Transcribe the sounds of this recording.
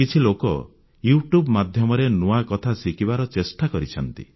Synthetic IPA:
kit͡ʃʰilokɔ̰ | juʈjubmad̪ʱjɔmɔɾenuakɔt̪ʰasikibaɾɔt͡ʃesʈakɔɾit͡ʃʰɔnt̪ḭ

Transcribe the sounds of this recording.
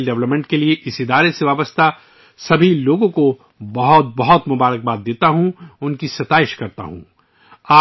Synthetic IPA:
lɖɛʋləpmɛ̃ɳʈ̚kelieʔɪsɪd̪aːɾeseʋaːbəst̪a | sɐbʱiloːɡõko | bɐɦɔt̪̚bɐɦɔt̪mʊbaːɾək̚baːt̪̚d̪eːt̪aɦũʊnkisɐt̪aːɪʃkɐɾt̪a̰ɦṵ̃ː | aː

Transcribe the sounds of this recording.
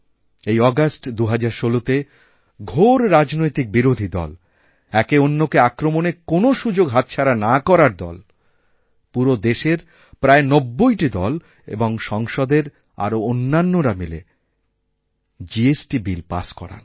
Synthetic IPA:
ejɔɡasʈd̪uɦad͡ʑaɾʃolot̪e | ɡʱoɾɾad͡ʑnojt̪ik̚biɾod̪ʱid̪ɔ̰l | ɛkeonːokeakɾomonekonoʃud͡ʑoɡɦat̪̚t͡ɕʰaɾanakɔɾaɾd̪ɔ̰l | puɾod̪eʃeɾ | pɾaenobːojʈid̪ɔ̰l | ḛboŋʃɔŋʃod̪eɾ | a̰ɾoonːanːoɾamilḛ | d͡ʑiesʈibilpa̰ʃkɔ̰ɾa̰n

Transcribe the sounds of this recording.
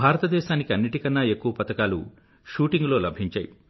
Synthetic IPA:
bʱaːɾɐt̪ɐd̪ɛːʃaːnikiɐnːiʈikɐnːɐe̞kːuʋɐpɐt̪ɐkaːlṵ | ʃuːʈiŋɡlo̞ːlɐbʱiɲt͡ʃaːji

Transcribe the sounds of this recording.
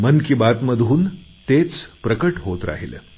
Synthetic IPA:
mənkiːbat̪məd̪ʱuːnt̪et͡spɾəkəʈɦot̪ɾa̰ɦilə̰

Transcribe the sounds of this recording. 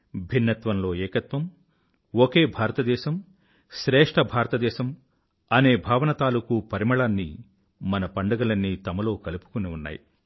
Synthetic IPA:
bʱinːɐt̪ʋɐmlo̞ːɛːkɐt̪ʋɐm | oke̞ːbʱaːɾɐt̪ɐd̪ɛːʃɐm | ʃɾɛːʂʈʰɐbʱaːɾɐt̪ɐd̪ɛːʃɐm | ɐne̞ːbʱaːʋɐnɐt̪aːlukupɐɾimɐɭaːnːi | mɐnɐpɐɳɖɐɡɐlɐnːit̪ɐmɐlo̞ːkɐlupu̥kuniunːa̰ːjḭ

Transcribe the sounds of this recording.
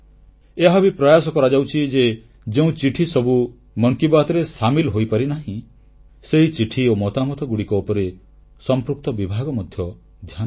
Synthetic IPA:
eɦabipɾɔjasɔkɔɾad͡ʒawt͡ʃʰid͡ʒe | d͡ʒeũt͡ʃiʈʰisɔbu | mɔŋkibat̪ɔɾesamilɦojpaɾinaɦĩ | seɦit͡ʃiʈʰiomɔt̪amɔt̪ɔɡuɽikɔopɔɾe | sɔmpɾuk̚t̪ɔbibʱaɡɔmɔd̪ʱjɔ | d̪ʱjan

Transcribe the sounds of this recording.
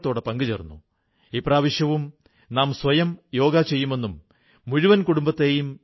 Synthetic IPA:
t̪ːo̞ːɽepɐŋɡɨt͡ɕerunːu | ipraːʋiɕjɐʋum | naːmsʋɐjɐmjo̞ːɡaːt͡ɕe̞jːume̞nːumː | uɻuʋɐnkuɽumbɐt̪ːe̞ːjum

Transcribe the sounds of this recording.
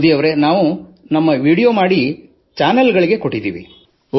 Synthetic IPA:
d̪ijɐʋɾe̞naːʋu | nɐmːɐʋiːɽijoːmaːɽi | t͡ʃaːnɐlɡɐɭiɡe̞ko̞ʈːid̪ḭːʋḭ | o

